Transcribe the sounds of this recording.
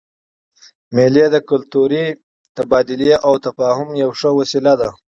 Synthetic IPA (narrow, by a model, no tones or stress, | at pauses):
meled̪əkʊlt̪uɾi | t̪abɑːd̪ɪlijeʔawt̪afɑːhʊmjawʂəwasilad̪a